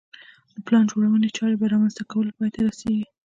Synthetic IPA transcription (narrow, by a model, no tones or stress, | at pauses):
d̪əplɑnʒoɽawənet͡ʃɑɾebaɾɑmanzt̪akawəlpɑjt̪ʰaɾaseɡi